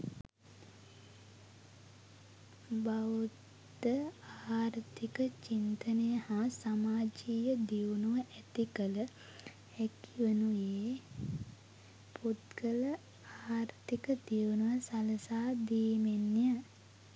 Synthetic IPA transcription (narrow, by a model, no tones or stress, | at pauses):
baʋudd̪əaːɾt̪ikət͡ʃint̪ənəjəhãsamaːd͡ʒijəd̪iʋwnuʋəʔæt̪ikələ | ɛkiʋənujeː | pʰot̪kələ | aːɾt̪ikəd̪iwnuʋəsaləsaːd̪iːmenːjə